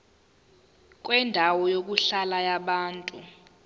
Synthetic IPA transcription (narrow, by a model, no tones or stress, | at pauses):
k̬ʼwɛndʱawɔjok̬uɬalajaɓaːntʼu